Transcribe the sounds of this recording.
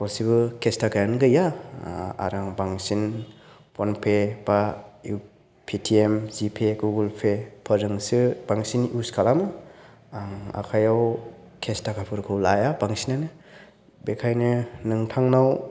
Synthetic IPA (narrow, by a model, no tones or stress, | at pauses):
kɔsibɯkʰestakʰajanɡɯja̰ | a̰ɾaŋbaŋsin | pʰɔnpʰeb̥au | pʰitʰiemzipʰeɡuɡɯlpʰepʰəɾɯŋsɯb̥aŋsinuskʰalamɯ | aŋa̰kʰajaw | kʰestakʰapʰɯɾkʰɯwlajabaŋsinanɯ | bekʰajnɯnɯŋtʰaŋnaw